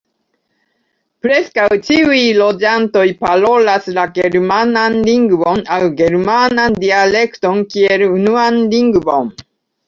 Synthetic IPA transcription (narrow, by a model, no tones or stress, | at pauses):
pɾe̞skawt͡ʃiujlo̞d͡ʒanto̞jpaɾo̞laslaɡeɾmananliŋɡvo̞nawɡe̞ɾmanandiale̞kto̞nkie̞lunuanliŋɡvo̞̰n